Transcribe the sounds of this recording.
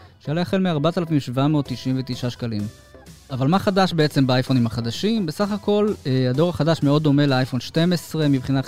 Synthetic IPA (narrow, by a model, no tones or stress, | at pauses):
ʃajalejaχelmeaʁbat̪alafimʃvamet̪ːiʃʔimvet̪iʃaʃkalim | avalmaχadaʃbeet͡se̞mbeajfo̞nimhaχad̪aʃimbesaχako̞lead̪o̞ʁaχadaʃmeo̞d̪ːo̞me̞leajfo̞nʃte̞mesʁe̞mibχina